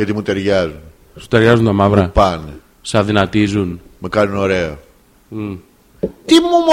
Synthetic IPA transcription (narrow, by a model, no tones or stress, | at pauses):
et̪imũt̪eɾɣaz | su̥t̪eɾɣazund̪amavɾɐpan | saðinat̪izunmɐkaɾunoɾɛ | t̪imum